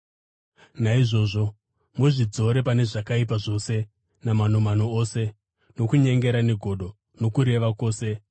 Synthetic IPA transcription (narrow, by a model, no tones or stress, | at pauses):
naiʐo̞ːʐo̞ | muʐid͡zo̞ɾe̞pane̞ʐakaip̬aʐo̞se̞ | naman̤omanoose̞ | no̞kuɲe̞ŋɡe̞ɾaneɡʱo̞ɗo̞ | no̞kuɾe̞ʋako̞ːse̞